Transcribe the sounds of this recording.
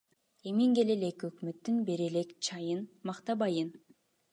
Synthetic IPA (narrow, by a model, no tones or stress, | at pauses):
emiŋɡe̞le̞le̞køkmøt̪ːynbe̞ɾe̞le̞kt͡ʃʰɑjɯnmɑqt̪ɑbɑjɯn